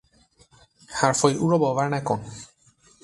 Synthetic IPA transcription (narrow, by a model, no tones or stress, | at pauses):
haɾfɔjuɾɔbɔvaɾnɛkɔn